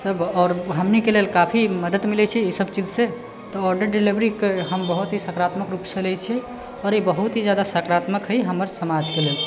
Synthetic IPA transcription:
səbɔːɾɦəmnikelelkapʰiməd̪ət̪milɛt͡ʃʰɛisəbt͡ʃid͡ʒse | t̪ɔɔɾɖəɾɖilibɾikeɦəmbəɦut̪ɦisəkɾat̪məkɾupsəlɛt͡ʃʰi | ɔːɾibəɦut̪ɦid͡ʒjad̪asəkɾat̪məkɦəjɦəməɾsəmad͡ʒkelel

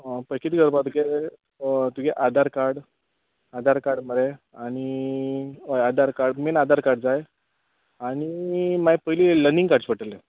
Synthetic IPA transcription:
pəjkit̪iɡəɾbat̪uɡe | t̪uɡeʔad̪aɾkaɾɽ | ad̪ʱaɾkaɽməɾe | aɽ̃i | ojad̪aɾkaɾɽmenad̪aɾkaɾɽd͡zaj | aɽ̃imajpəjlilənĩŋɡkaɾɽt͡ɕpəʈəlːe

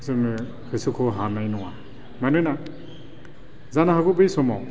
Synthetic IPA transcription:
sɯm | hɯsukʰɔɦanajnɔŋa | manɯna | zanaɦaɡubɯjsɔmaw

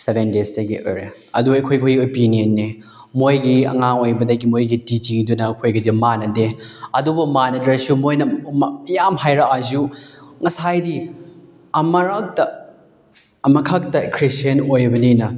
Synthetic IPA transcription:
sebendestɐɡḭʔo̰jɾe | ɐduɐjkʰojkʰojɡiopinienːe | mojɡiɐ̰ŋaŋojbɐdɐɡimojɡitid͡ʒiŋdunɐkʰojɡɐdimanɐdeɐdubɐmanɐdɾɐsumojnɐmjamɦajɾakazuŋɐsajdi | ɐmɐɾak̚tɐ | ɐmɐkʰak̚tɐkʰɾistenojbɐninɐ

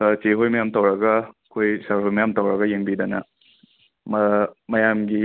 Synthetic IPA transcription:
teɦojmɐjamtɐwɾɐɡɐkʰojsɐɾɦojmɐjamtɐwɾɐɡɐjeŋbidɐnɐ̰ | mɐmɐjamɡi

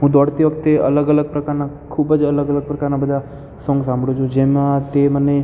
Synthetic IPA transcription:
ɦũd̪ɔːɽt̪eʋəkt̪eə̰ləɡələɡ̚pɾəkaːɾna | kʰuːbəd͡ʒələɡələɡ̚pɾəkaːɾnabəd̪ʱa | sɔ̃ŋɡsãːmbʱɽot͡ʃʰud͡ʒeːmãt̪emənːe

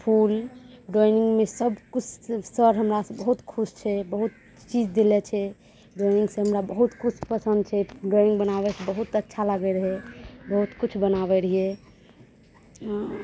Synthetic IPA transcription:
pʰulɖɔiniŋɡmesəbkut͡ʃʰsəɾɦəmɾasbəɦut̪kʰust͡ʃʰɛbəɦut̪ | t͡ʃid͡ʒd̪ilɛt͡ʃʰɛ | ɖɔjniŋɡsẽɦəmɾabəɦut̪kut͡ʃʰpəsə̃nd̪t͡ʃʰɛɖɔjnĩŋɡbənaβɛsʰebəɦut̪ətːʃʰaləɡɛɾəɦɛbəɦut̪kut͡ʃʰbənabɛɾəɦieɛ

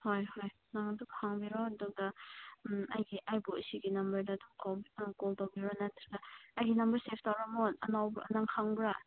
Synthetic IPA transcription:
hojhoj | naŋduɡhaŋbiɾɔɐduɡɐ | ajɡiʔajbosiɡinɐmbɐɾdɐtʰɔkawkoltawbiɾɔnat̪ʰɾiɡaɐjɡinɐmbɐɾsepʰtawɾamonɐ̰nawɐ̰naŋkʰaŋbɾa

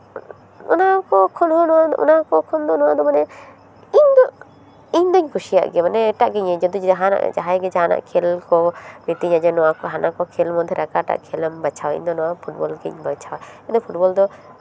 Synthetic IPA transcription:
ɔnakɔkʰɔnhɔnɔwaɔ̰nakɔkʰɔnd̪ɔnɔwad̪ɔmanɛ | iɲd̪ɔ | iɲd̪aɲkʰusija̰ʔɡɛmanɛːʈaʔɡɛɲɛd͡ʒɔd̪iaɦana̰ʔd͡ʒa̰ɦajɡɛd͡ʒaɦana̰ʔkʰelkɔmit̪iɲad͡ʒɛnɔwakɔɦanakɔkʰelmɔd̪ʱjɛɾakaʈa̰ʔkʰelmbat͡ʃʰawaḭɲd̪ɔnɔ̃wapʰuʈ̚bɔlɡɛɲbat͡ʃʰawaiɲd̪ɔpʰuʈbɔld̪ɔ

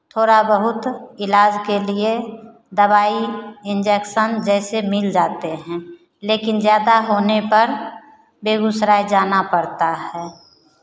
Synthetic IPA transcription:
t̪ʰoːɾabəɦʊt̪ɪlaːd͡ʒkelie | d̪əbaːiɪ̃nd͡ʒɛkʃənd͡ʒɛːsemɪld͡ʒaːt̪eɦɛ̃ | leːkɪnzjaːd̪aɦoːnepəɾ | beːɡʊsɾaːid͡ʒaːnapəɾt̪aɦɛː

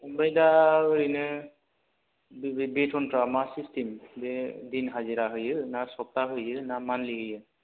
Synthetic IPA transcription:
bajdaɹinɛ | betʰɔnpɔɹamasistimbɛdinɦaziɾaɦojɛnasɔp̚taɦojɛnamanliɦijɛ

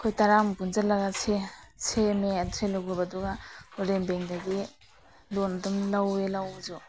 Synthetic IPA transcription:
kʰojtaɾambunzalːaɡasʰesʰemeatʰɾelaɡuɾbaduɡauɾembeŋdaɡi | lonadumlawelawzu

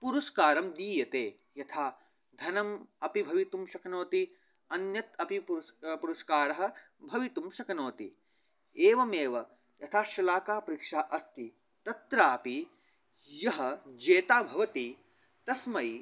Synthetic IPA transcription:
puɾuʃkaːɾɐmd̪iːjɐt̪eː | jɐt̪ʰaː | d̪ʱɐnɐmɐpibʱɐʋit̪umʃɐkɐnoːt̪i | ɐnjɐt̪ɐpippuɾuʃkaːɾɐɦɐ̆ | bʱɐʋit̪umʃɐkɐnoːt̪i | eːʋɐmeːʋɐ | jɐt̪ʰaːʃɐlaːkaːpɐɾikʂaːʔɐst̪i | t̪ɐt̪ɾaːpi | jɐɦɐd͡ʒeːt̪aːbʱɐʋɐt̪i | t̪ɐsmɐj

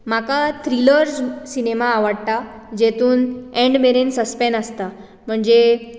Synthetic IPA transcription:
m̤akat̪ʰɾiləɾd͡zsinemaːʋəɽt̪a | d͡ʑet̪uːnɛ̃ɳɖmeɾinsəspɛnəst̪a | m̤əɳd͡ze

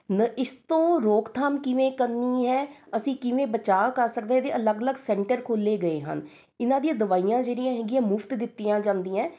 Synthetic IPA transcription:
nəɪst̪õːɾoːkt̪ʰaːmkɪʋẽːkəniːɦɛːəsĩːkɪʋẽːbət͡ʃaːkəɾsək̚d̪eːɛ̃ːd̪eːʔələɡələɡsɛ̃ːɳʈəɾkʰoːlːeːɡəeːɦə̰n | ɪnãːd̪iãːd̪əʋaːijãːd͡ʒeːɾijãːɦɛːɡɪãːmʊft̪d̪ɪt̪ːijãːd͡ʒãːnd̪iːãː

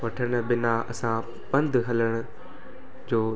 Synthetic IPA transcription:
ʋɐʈʰəɽ̃̆bɪnaɐ̰sã | pɐ̃nd̪ɦɐləɽ̃ʊ̆ | d͡ʑoː

